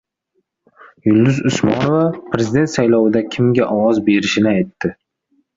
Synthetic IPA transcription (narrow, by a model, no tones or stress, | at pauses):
jʊlˠd̪ʊzʊsmɒnovapɾe̞zʲid̪e̞nt̪sajlɒwɪd̪akʲʰɪmɡʲaʔɒwɒzbe̞ɾɪʃɪnɪajt̪ʰːɪ